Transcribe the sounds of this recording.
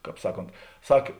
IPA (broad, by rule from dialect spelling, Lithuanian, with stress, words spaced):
ˈkɑːp ˈsɑːˌkoːnt ˈsɐk